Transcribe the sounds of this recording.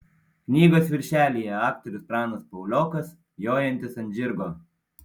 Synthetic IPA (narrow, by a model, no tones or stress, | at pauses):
knʲiːɡoːsʋʲɪɾʲʃʲæːlʲiːjɛɑːk̚t̪ɔɾʲʊspɾɑːnospɐʊlʲoːkɐs | joːjɛnʲt̪ʲɪsɐnʲd͡ʒʲɪɾɡoː